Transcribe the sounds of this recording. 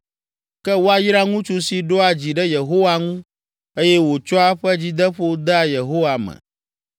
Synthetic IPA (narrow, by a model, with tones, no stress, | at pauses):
kɛ˦wo˦a˨ji˦ɾa˦ŋũ˦t͡ʃu˦si˨ɖo˦a˨d͡ʑi˨ɖɛ˦je˨ɦo˦wa˦ŋũ˦ | e˦jɛ˦wo˨t͡ʃɔ˦a˦ɸɛ˦d͡ʑi˦d̪ə˦ɸo˦d̪a˦je˨ɦo˦wa˨mɛ̰̃˨